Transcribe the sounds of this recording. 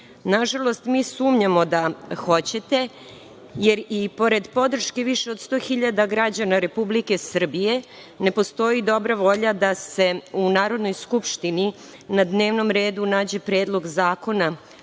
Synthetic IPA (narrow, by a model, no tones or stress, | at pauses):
naʒalo̞st̪miːsuːmɲamo̞d̪axo̞t͡ɕe̞t̪e̞ | jeɾipo̞ɾe̞d̪po̞d̪r̩ʃke̞ʋiʃe̞od̪st̪o̞ːxiʎad̪aɡɾad͡ʑanaɾe̞publike̞sr̩bije̞ | ne̞po̞st̪o̞id̪o̞bɾaʋo̞ʎad̪ase̞unaːɾo̞d̪no̞jskupʃt̪ini | nad̪ne̞ːʋno̞mɾe̞ːd̪unaːd͡ʑe̞pɾeːd̪lˠo̞ɡzaːko̞na